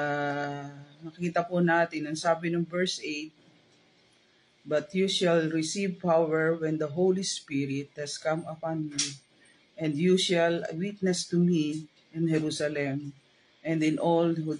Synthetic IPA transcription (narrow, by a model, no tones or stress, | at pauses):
nɐkɪkiːt̪ɐpʊnaːt̪ɪnɐŋsaːbɪnɔŋvɛɹsʔejt̪̚ | bɐt̪juʃɛlɹɪsivpawɛɹwɛ̃nd̪ɐɦowlispiɾɪt̪̚hɛskɐ̃mɐpanmi | ʔɛ̃nd̪juʃɛlwit̪̚nɛst̪umi | ʔɪnhɛɾusɐlɛm | ʔɛ̃nd̪ɪ̃nʔolhu